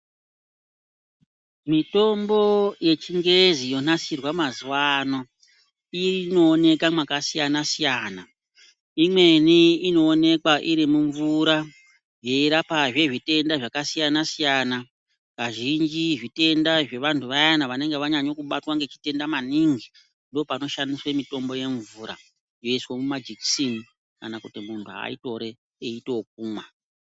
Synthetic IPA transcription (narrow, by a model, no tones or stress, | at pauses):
mito̞mbo̞je̞t͡ʃiŋɡeezijo̞nasirwamazuwano | irino̞ːne̞kamwakasijanasijaːna | imwe̞niino̞ːne̞kwaʔiɾimuɱvuɾa | je̞iɾapaʐe̞ʐite̞ndaʐakasijanasijaːna | kaʒind͡ʒiʐite̞ndaʐe̞ʋantʰuʋajanaʋane̞ŋɡe̞ʋaɲaɲo̞kuɓatwaŋɡe̞t͡ʃi̥te̞ndamaniŋɡi | ndopano̞ʃandiswe̞mito̞mbo̞je̞ɱvuɾa̰ | jo̞iswomumad͡ʒiksini | kanakutimuntʰuɦa̰ito̞ɾe̞ː | ito̞k̚uːma